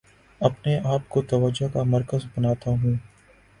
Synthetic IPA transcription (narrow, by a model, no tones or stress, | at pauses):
ɐpneʔaːpkot̪ɐʋəd͡ʒakamɐɾkəzbɐnaːt̪aɦũː